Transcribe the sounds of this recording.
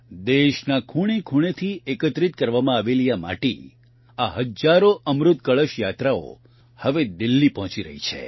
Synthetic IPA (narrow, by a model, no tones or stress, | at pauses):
d̪eʃnakʰuɽ̃ikʰuɽ̃et̪ʰiʔekət̪ɾit̪̚kəɾʋamãaʋelijama̰ʈḭ | aɦəd͡ʒaɾoʔəmɾʊt̪̚kəɭəʃjat̪ɾao̰ | həʋed̪ilːipɔɦɔ̃t͡ʃiɾə̰ɦit͡ʃʰḛ